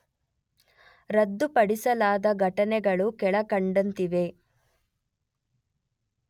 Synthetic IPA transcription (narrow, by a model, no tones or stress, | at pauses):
ɾɐd̪ːupɐɽisɐlaːd̪ɐɡʱɐʈɐnɛɡɐɭukɛɭɐkɐɳɖɐnt̪iʋe̞